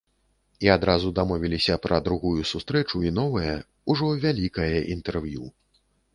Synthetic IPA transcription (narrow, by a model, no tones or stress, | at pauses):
iad̪ɾazud̪amɔvʲilʲisʲɐpɾɐd̪ɾuɣujusust̪ɾɛt͡ʂuinɔvɐjɐ | uʐɔvʲalʲikɐjɐʔint̪ɛrvju